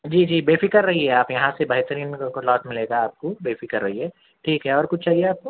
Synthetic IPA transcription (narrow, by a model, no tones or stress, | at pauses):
d͡ʒiːd͡ʒiːbeːfikɐɾːɐɦiɦɛaːpjɐɦãsebɐɦt̪əɾiːnkolɔːʈmɪleːɡaaːp̚kobeːfikɐɾːɐɦiɦɛː | ʈʰiːkɦɛɔːɾkʊt͡ʃʰt͡ʃaːɦieaːp̚ko